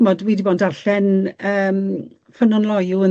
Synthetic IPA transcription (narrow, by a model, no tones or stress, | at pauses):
mɔdwiːdibɔːndaɬɛnəːm | fənɔnlˠɔjʊə